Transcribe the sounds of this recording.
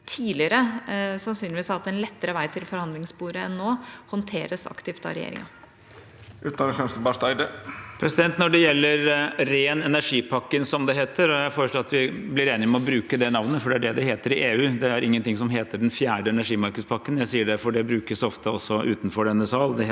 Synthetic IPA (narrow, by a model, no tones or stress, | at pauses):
t̪ʰiːlɪəɾəsɑnsyːnɪʋiːsɑʋɑt̪̚ɛnlɛt̪ːəɾəʋæɪt̪ʰɪlfɔɾhɑnd̪lɪŋsbuːɾəɛnːoːhɔnt̪ʰeːɾəsɑ̰kt̪ɪft̪ɑ̰ɾɛjḛːɾɪ̰ŋɑ̰ | ʔʉːt̪nɑəʃœnsbæʂt̪ɑɪd̪əpʰɾɛsɪd̪ɛnt̪nɔɖɛjɛlːəɾɾeːnɛnæʂiːpʰɑkːənsɔmd̪ɛɦeːt̪ʰəɾɔjæɪfoːɾəʂɭoːɑt̪ʋɪblɪɾeːnɪɔmɛɔbɾʉːkəd̪ɛnɑʋnəfɔɖɛæɖɛd̪ɛheːt̪əɾɪʔeːʉːd̪ɛæɾɪŋːənt̪ɪŋsɔmɦeːt̪əɖɛnfjæːɖəɛnæʂiːmɑɾkəd̪spʰɑkːənjæɪsiːəɖɛfɔɖɛbɾʉːkəsɔft̪ʰəɔsːɔʔʉːt̪nfɔɖɛnːəsɑːld̪ɛ